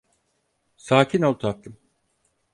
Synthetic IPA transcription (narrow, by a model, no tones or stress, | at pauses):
saːcʰinolˠt̪ʰak̚t̪ɯm